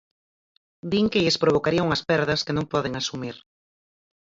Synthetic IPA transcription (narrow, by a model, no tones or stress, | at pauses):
d̪iŋkɪʎespɾoβokaɾiɐuŋɐspɛɾðɐskenõŋpɔðeŋasumiɾ